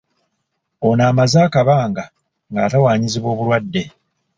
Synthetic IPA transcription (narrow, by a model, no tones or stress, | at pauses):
onaːmazaːkaβaːŋɡa | ŋɡaːtawaːɲiziβwo̞ːβuɾwadːe̞